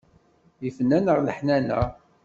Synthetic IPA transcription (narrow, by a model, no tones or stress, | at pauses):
ifənːænəʁləħnænə̰